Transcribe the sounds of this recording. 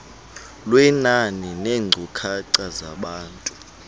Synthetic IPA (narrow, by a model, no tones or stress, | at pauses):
lwɛnanineːŋ͡ǀʱukʰaǀazaɓaːntʼu̥